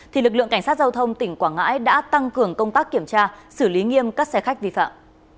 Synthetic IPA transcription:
t̪ʰi˨˩lɨ˨˩klɨ˧˨ŋka˧˩ŋ̟saː˦˥t̚za˧wt̪ʰə˧wŋ͡mt̪ï˧˩ŋ̟kwaː˧˩ŋa̰ː˧˥jɗa̰ː˧˥t̪a˧ŋkɨ˨˩əŋkə˧wŋ͡mt̪aː˦˥kːi˧˩əmt͡ɕaː˧sɨ˧˩li˨˦ŋi˧əmkaː˦˥k̚sɛ˧xa˦˥k̚vḭ˧˨fa̰ː˧˨mʔ

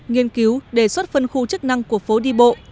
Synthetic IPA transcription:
ŋi˧ənki˨˦wɗe˧˩swt̚fə˧nxu˧t͡ɕɨ˦˥k̚na˧ŋku˨˩əfo˨˦ɗi˧ɓo̰˧˨ʔ

